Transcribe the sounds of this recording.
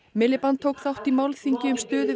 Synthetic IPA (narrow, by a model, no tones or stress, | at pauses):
mɪlːɪpant̪ʰowkθaw̥t̪imawlθiɲcɪʏmst̪ʏːðɪ